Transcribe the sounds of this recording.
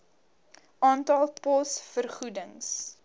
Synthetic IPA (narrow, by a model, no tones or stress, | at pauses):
ʔɑːntɐlˠpɔsfərχudəŋs